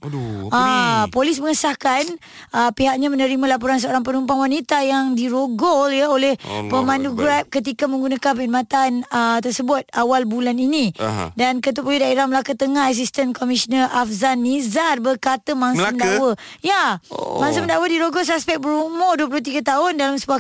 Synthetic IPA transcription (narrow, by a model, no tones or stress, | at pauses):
apolisməŋəsahkan | əpiɦak̚ɲamənəɾimãlap̬uɾans̬əoɾaŋp̬ənumpaŋwanit̪ajaŋdiɾoɡɔljəolɛhpəmãnduɡɾap̚kət̪̬ikamə̃ŋɡunakanpəit̚mãt̪anət̪ərsəbʊt̪̚awalbulaninĩdankət̪̬upolidaiɾaməlakat̪əŋahɦas̬ist̪ənkɔmisnəafzanizarbərkat̪əmãŋsmddwə | jamãŋs̬əməndawədiɾoɡɔls̬aspɛk̚bəɾumɔduəp̬luhut̪iɡat̪aʊndalamsəbua